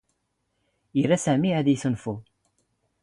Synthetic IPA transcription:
jəɾːæsæmiæðjiθənfu

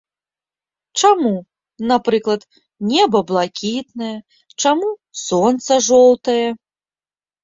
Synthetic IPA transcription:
t͡ʂamu | napɾɨklˠɐt̪ | nʲɛbɐblˠakʲit̪nɐjɐ | t͡ʂamusɔnt̪sɐʐɔw̪t̪ɐjɛ

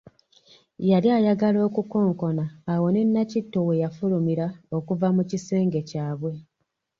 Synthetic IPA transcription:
jaliajaɡalo̞ːkuko̞ːŋko̞naːwo̞ne̞nːacitːowe̞jafulumiɾao̞kuvamucise̞ːŋɡe̞caːβwe̞

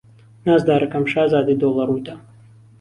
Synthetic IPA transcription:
naːzd̪aːɾɐkɐmʃaːzaːd̪id̪oːlˠɐɾut̪a

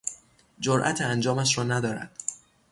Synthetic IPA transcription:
d͡ʒoɾʔæ̰t̪ʰeænd͡ʒɒːmæʃɾɒːnæd̪ɒːɾæ̰d̪̥

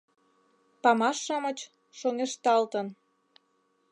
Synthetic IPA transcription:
pɑmɑʃːɑmət͡ɕ | ʃoŋeʃt̪ɑlt̪ən

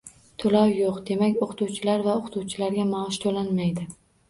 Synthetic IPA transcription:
t̪ʰolawjoqd̪e̞makʲoqʰt̪uwt͡ʃʰɪlaɾvaoqʰʊ̥t̪ʰuwt͡ʃʰɪlaɾɡʲamaɒʃt̪ʰolanmajd̪ɪ

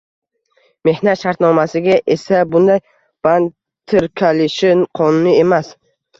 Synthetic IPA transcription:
me̞hnat̪ʃaɾt̪nɒmasɪɡʲaʔe̞sabʊnd̪aj | b̥an | t̪ʰːɪɾkʲʰalɪʃɪnqʰɒnʊnɪe̞mas

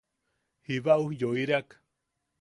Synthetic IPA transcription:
hiβaʔujoiɾeak

